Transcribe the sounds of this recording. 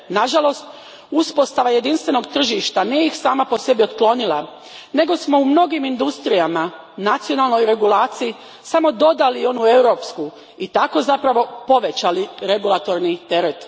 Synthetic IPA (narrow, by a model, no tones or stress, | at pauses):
naʒalo̞st̪ | uspo̞st̪aʋaje̞d̪inst̪ʋe̞no̞ɡt̪r̩ʒiʃt̪anije̞ixsaːmapo̞se̞bio̞t̪klˠo̞nilˠa | ne̞ɡo̞smo̞umno̞ɡimind̪ust̪ɾijama | nat̪sijo̞nalˠno̞jɾe̞ɡulˠaːt̪siji | samo̞d̪o̞d̪alio̞nue̞wɾo̞ːpsku | it̪ako̞zapɾaʋo̞po̞ʋe̞t͡ɕaliɾe̞ɡulˠat̪o̞ɾnit̪e̞ɾet̪